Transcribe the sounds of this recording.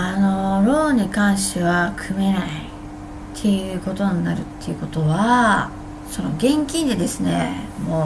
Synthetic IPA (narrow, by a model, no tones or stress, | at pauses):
ano̞ɾo̞ːɲ̟ikãɰ̃ɕt̪eβakʰɯ̟me̞nai | t̪ʰːe̞jɯ̟ko̞t̪o̞ɲ̟inaɾɯ̟t̪ːe̞jɯ̟ko̞t̪o̞βa | so̞no̞̰ɡẽ̞ŋkʲĩnd̪e̞d̪e̞sɨne̞̰moː